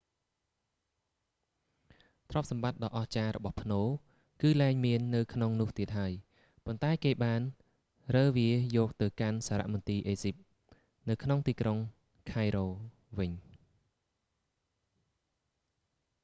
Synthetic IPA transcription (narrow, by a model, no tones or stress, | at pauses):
t̪ʰrŏp̚sɑmɓat̪̚ɗɑːʔɑht͡ɕaːɾɔ̰ɓɑhpʰnoː | kɨːlaɛŋmiənːɨwkʰnoŋnʊ̆əht̪iət̪̚ɦaəj | pont̪aɛkeːɓaːn | rəːʋiəjɔːk̚t̪ɨwkansaːɾa̰ʔmɔnt̪iːʔeːsip̚ | nɨwkʰnoŋt̪iːkroŋ | kʰaɛjɾoː | ʋɨɲ